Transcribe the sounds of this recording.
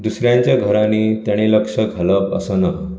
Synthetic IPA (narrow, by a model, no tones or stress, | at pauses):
d̪usɾjãɲt͡ɕjaɡʱəɾanit̪ɛɽ̃eləkʂəkaləbə̰sənaɦ